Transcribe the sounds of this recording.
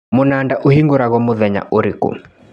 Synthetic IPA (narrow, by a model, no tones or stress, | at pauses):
mʊnandaʔuhiŋɡuɾaɣɔmʊðɛɲa̰ʔoɾikṵ